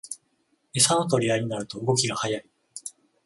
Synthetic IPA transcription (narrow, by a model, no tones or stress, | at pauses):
esanot̪o̞ɾʲiaiɲ̟inaɾɯ̟t̪o̞ɯɡo̞kʲiɡahajai